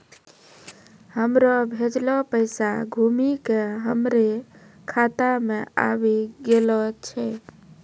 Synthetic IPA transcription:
həmɾɔbʱed͡ʒlɔpəɪsa̰ɡʱumikeɦəmɾe | kʰat̪amea̰βiɡelɔt͡ʃʰɛ

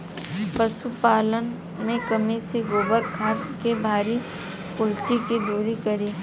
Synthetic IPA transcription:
pəsupaːlən | mẽkəmeseɡoːbəɾkʰaːt̪kebʱaːɾi | kʊlʈikid̪oːɾikəɾeː

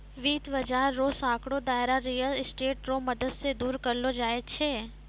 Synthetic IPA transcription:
ʋiːt̪ʰʋəd͡ʒaːɾːosãːkɽod̪aːɪɾaɾijəlɪsʈeːʈɾoməd̪əd̪sed̪uːɾkəɾlod͡ʒaːet͡ʃʰeː

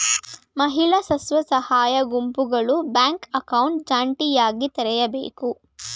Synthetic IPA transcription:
mɐɦiɭɐsɐsʋɐsɐhaːjɐɡumpuɡɐɭubaːŋkɐkɐwɳʈ̚d͡ʒaːɳʈijaːɡit̪ɐɾɛjɐbḛːku

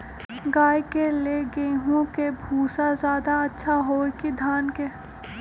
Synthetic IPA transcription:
ɡaːjkeleɡeːɦõkebʱuːsazjaːd̪aɐtːʃʰaɦoːkid̪ʱaːnke

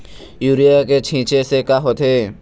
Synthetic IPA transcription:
juːɾijaket͡ʃʰĩːt͡ʃesekaɦot̪ɦeː

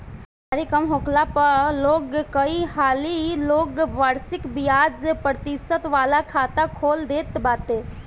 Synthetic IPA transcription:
aːɾikɐmɦoːkʰlapɐɾloːɡkɐihaːliloːɡʋaːɾsɪkbijaːd͡ʒpɾət̪ɪsət̪ʋaːlakʰaːt̪akʰoːld̪eːt̪baːt̪eː

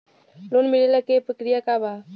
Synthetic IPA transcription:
lonmiɽelɐkepəkɾijakaba

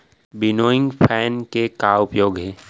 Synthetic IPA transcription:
bɪnoːɪ̃ŋɡpʰɛːnkekaːʊpjoːɡɦɛː

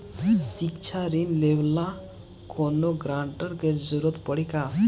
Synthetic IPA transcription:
sikt͡ʃʰaɾinlewla | kʰonoɡɾaɳʈəɾked͡ʒuɾɔt̪pəɽika

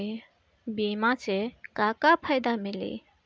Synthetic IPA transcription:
bimat͡sekakapʰajd̪amilḭ

